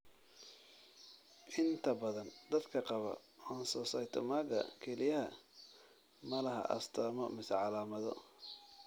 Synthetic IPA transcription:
ʔɪnt̪ʰɐbɐðɐnd̪ɐd̪kʰɐqɑβɐ̰ɔnsɔːsɐjt̪ʰɔ̰maːɡɐ̰kʰɛlɪjɐhɐ | mɐlɐɦɐ̰ʔɐ̰st̪ʰaːmɔmɪsʕɑlaːmɐðɔ

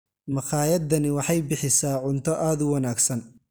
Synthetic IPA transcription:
mɑχɑːjɐd̪ɐnɪwɑħɑjbɪħɪsaːʕʊnt̪ʰɔʔaːd̪ʊwɑnaːɡsɐn

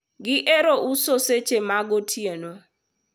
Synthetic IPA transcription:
ɡɪʔeɾoʔusoset͡ʃemaɡotʰjeno

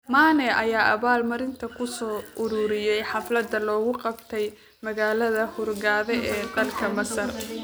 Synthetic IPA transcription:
maːnɛʔɐjaːʔɐβaːlmɐɾɪnt̪ʰɐkʰʊsɔːʔʊɾuːɾɪjɛjħɑflɐd̪ɐlɔːɣʊqɑbt̪ʰɛj | mɐɣaːlɐðɐhʊrɡaːðɛʔɛːd̪ɐlkʰɐmɐsɐr

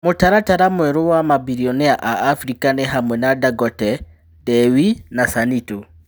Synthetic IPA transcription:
motaɾataɾamwɛɾowamabiɾiɔnɛaʔaʔːfɾikanɛɦamwɛnadaɡɔtɛ | dɛwinasanito

